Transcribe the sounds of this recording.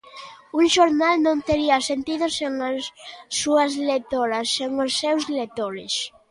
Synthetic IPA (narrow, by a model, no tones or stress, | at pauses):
uŋʃoɾnalnõnt̪eɾiasent̪iðoseŋasːuɐzlet̪oɾasːeŋosːewzlet̪oɾḛs